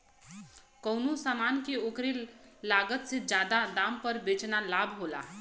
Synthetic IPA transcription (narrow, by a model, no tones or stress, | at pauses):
kəʊnosamankeokɾelːaɡət̪sed͡ʒad̪ad̪ampəɾbet͡ʃnalabʱɦola̰